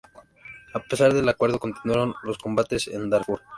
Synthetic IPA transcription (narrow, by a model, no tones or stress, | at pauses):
ape̞saɾðelakwe̞ɾð̞o̞ko̞nt̪inwaɾo̞nlo̞sko̞mbat̪e̞sḛnd̪aɾfuɾ